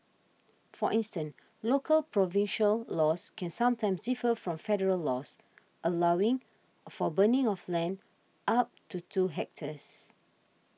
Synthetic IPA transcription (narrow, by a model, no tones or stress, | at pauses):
fɔʔĩnstə̃n | lokʰəlpɹɔvĩnʃəllɔskʰɛ̃nsãmtãɪmsdifəfɹɔ̃mfɛɾəɹəlːɔs | ʔəlawɪ̃ŋ | fɔbənɪ̃ŋɔflɛ̃n | ʔap̚tʰutʰuɦɛk̚tʰəs